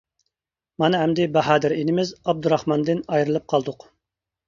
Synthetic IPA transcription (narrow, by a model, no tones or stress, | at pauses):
mɑnɨɦɛmd̪ɪbæɦɑːd̪ɪɾenɪmɪzɑb̚d̪uɾɑhmɑnd̪ɨnɑjɾɨlˠɨp̚qʰɑlˠd̪ʊq